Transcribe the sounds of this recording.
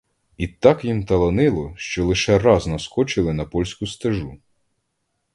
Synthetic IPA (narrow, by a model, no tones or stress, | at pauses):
it̪ɑkjimt̪ɐlˠɐnɪlˠɔʃt͡ʃɔlˠɪʃɛrɑznɐskɔt͡ʃɪlˠɪnɐpɔlʲsʲkʊst̪ɐʒu